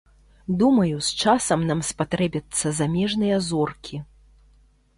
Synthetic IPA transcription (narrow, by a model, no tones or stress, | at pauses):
d̪umɐjust͡ʂasɐmnamspat̪ɾɛbʲɐt̪sːɐzamʲɛʐnɨjɐzɔrkʲʰi